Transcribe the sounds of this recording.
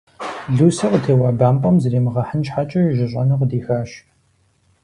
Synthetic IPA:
ɮuːsɐqtʰeːwaːbaːmpʼɔmzɨreːmɨʁɐħənʃħat͡ʃʼɐʒɪɕʼɐnɐqdiːxaːʃ

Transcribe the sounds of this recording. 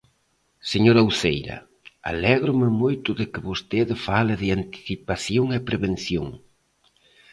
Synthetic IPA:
seɲoɾɐwθejɾɐ̰ | a̰lɛɣɾʊmɪmojt̪ʊðɪkɪβost̪eðɪfalɪðɪant̪i̥θipaθjoŋɛpɾeβenθjoŋ

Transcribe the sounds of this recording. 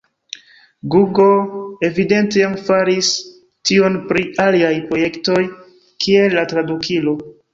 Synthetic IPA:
ɡuɡoe̞vide̞nteamfaɾis | tio̞npɾialiajpɾo̞je̞kto̞j | kʰie̞lːatɾadukʰilo̞

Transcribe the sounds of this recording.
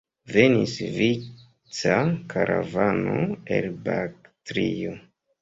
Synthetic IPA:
ve̞nisvi | t͡sakʰaɾʔavano̞elbaktɾijo

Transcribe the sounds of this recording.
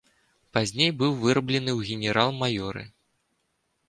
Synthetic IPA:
pazʲnʲejbɨwvɨɾɐblʲɛnɨwɣʲɪnʲɛɾalˠmajɔɾɨ̰

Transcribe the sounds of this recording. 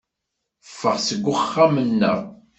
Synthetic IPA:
fːəʁsəɡʷːəχːamənːə̰ʁ

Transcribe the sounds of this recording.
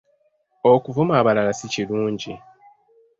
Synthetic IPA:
okuvumaːβalalasiciluːɲɟi

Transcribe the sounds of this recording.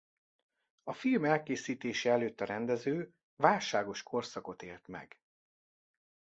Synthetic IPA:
ɒfilmɛlkeːsiːt̪eːʃɛɛløːt̪ːɒɾɛnd̪ɛzøː | vaːlʃaːɡo̞ʃkʰo̞rsɒko̞t̪eːlt̪mɛ̰ɡ̥

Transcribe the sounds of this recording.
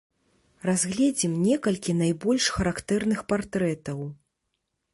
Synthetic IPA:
razɣlʲɛd͡zʲimnʲɛkɐlʲkʲinajbɔlʲʂxɐɾakt̪ɛrnɨxpart̪ɾɛt̪ɐw

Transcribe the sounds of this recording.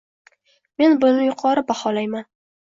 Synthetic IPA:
me̞nbʊnɪjʊqʰɒɾɪbahɒlajman

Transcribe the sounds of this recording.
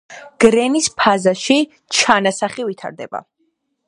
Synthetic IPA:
ɡ̥ɾɛnispʰazaʃi | t͡ʃʰanasaχivit̪ʰa̰ɾd̪ɛ̰ba̰

